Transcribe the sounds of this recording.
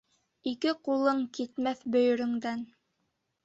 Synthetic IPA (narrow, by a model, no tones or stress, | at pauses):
ikɘqulˠɤɴkit̪mæθbɵ̆jɵ̆ɾɵ̆ŋd̪æn